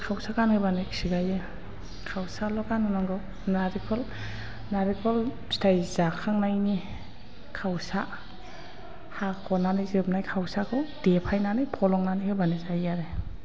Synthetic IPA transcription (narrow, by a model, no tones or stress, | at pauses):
kʰawsakanhɯbaniksiɡajɯ | kʰawsalɔkanɯnaŋɡɯw | naɾikʰɔl | naɾikʰɔl | stʰajzakʰaŋnajni | kʰawsa | hakʰɔnanɯjzɯp̚najkʰawsakʰɯwdepʰajnanɯjpʰɔlɔŋnanihɯjbanizajaɾe